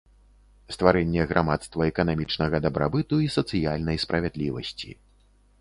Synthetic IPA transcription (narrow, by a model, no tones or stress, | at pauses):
st̪vaɾɛnʲːɛɣɾʔamat̪st̪vɐɛkɐnamʲit͡ʂnɐɣɐd̪ɐbɾʔa̰bɨt̪uisɐt̪sɨjalʲnɐjspɾɐvʲɛd̪lʲivɐ̰sʲt͡sʲḭ